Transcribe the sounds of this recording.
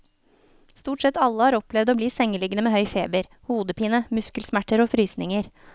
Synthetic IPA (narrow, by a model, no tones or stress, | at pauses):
st̪uːʈsɛt̪ɑlːəhɑːɾɔplɛʋd̪oːbliːsɛŋːəlɪɡənəmeːhœʏfeːbəɾ | huːd̪əpiːnəmʉskəlsmæʈːəɾoːfɾyːsnɪŋəɾ